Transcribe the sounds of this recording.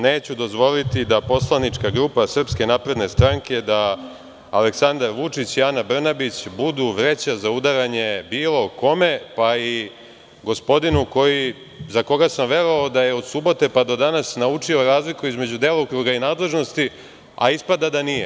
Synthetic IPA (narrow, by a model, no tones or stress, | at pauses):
ne̞ːt͡ɕud̪o̞zʋo̞lit̪id̪apo̞slˠanit͡ʂkaɡɾupasr̩pske̞naːpɾe̞d̪ne̞st̪ɾaŋke̞d̪aː | le̞ksand̪aɾʋut͡ʂit͡ɕijanabr̩nabit͡ɕbud̪uʋɾe̞t͡ɕazaud̪aɾaɲe̞biːlˠo̞ko̞me̞pai | ɡo̞spo̞d̪inuko̞ji | zako̞ɡasamʋe̞ɾoaod̪aje̞o̞d̪subo̞t̪e̞pad̪o̞d̪anasnaut͡ʂio̞ɾaːzlikuizme̞d͡ʑud̪e̞ːlaokɾuɡainaːd̪le̞ʒno̞st̪i | a̰ispad̪ad̪anije